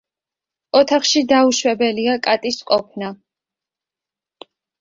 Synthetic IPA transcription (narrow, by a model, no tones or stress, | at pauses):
ɔt̪ʰaχʃid̪auʃwɛbɛliakʼat̪ʼisqʼɔpʰna